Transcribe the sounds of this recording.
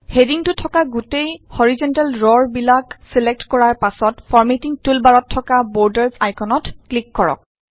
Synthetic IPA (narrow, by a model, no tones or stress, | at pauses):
hediŋtʊtʰɔkaɡutejhɔɹizɔntalɹɔɹbilakselek̚tkɔɹaɹpasɔtfʰɔɹmetiŋtulbaɹɔtʰːɔkabɔɹdɛɹzajkʰɔnɔtklikːɔɹɔ̰k̚